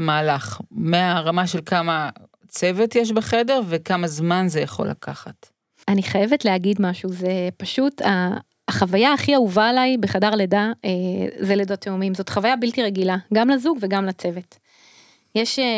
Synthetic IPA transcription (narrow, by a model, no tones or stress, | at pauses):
maːlaχmeaʁamaʃelkama | t͡sevetjeʃ̬beχe̞de̞ʁvekamazmanzejaχo̞̰la̰kʰaχat | aniχaje̞vetleaɡidmaʃuzepaʃutaː | χavajaaχiauvaːlajbeχadaʁledaezeledoteomimzotχavajabiltiʁeɡilaɡamlazuɡve̞ɡamlat͡se̞vet | jeʃ